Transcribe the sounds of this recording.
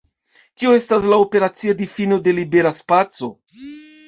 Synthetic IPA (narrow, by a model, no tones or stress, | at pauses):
kioe̞staslaope̞ɾat͡siadifino̞de̞libe̞ɾaspat͡so̞